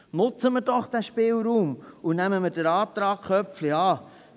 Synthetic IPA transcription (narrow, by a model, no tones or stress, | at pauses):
nʊt͡səməɾd̥ɔχd̥æʃpɪːlɾuːmunæməməɾdəɾɑːp̚t̪ɾɑːkχœpfliɑː